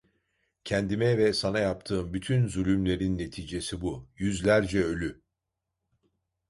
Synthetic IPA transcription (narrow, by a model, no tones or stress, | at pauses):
cʰɛnd̪imɛvɛsanajap̚t̪ʰɯːmbyt̪ʰynzulʲymlʲe̞ɾinːe̞t̪ʰiːd͡ʒe̞sibujyzlʲæɾd͡ʒɛø̞lʲy